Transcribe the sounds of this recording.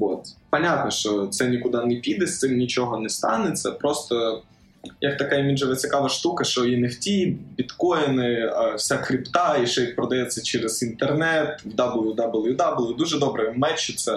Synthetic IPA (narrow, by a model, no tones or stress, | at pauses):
ot̪pɐnʲat̪nɔʃt͡ʃɔt̪sɛnʲikʊd̪ɑnepʲid̪ɛst̪ɪmnʲit͡ʃɔɦɔnɛst̪ɑ̰net͡sʲːɐpɾɔst̪ɔ | jɐkt̪ɐkɑimʲiʒɐʋɐt͡sʲikɑʋɐʃt̪ukɐʃt͡ʃɔjinewtʲibʲit̪kɔjnɪɐwsʲakɾʲipt̪ɑiʃɔjik̪̚pɾɔd̪ɐjɛt͡sʲːɐt͡ʃɛɾɛz̥int̪ernɛt̪wd̪ɑblˠjud̪ɑblˠjud̪ɑblˠjud̪uʒɛd̪ɔbɾɛmɛt͡ʃːɪt͡sʲːɐ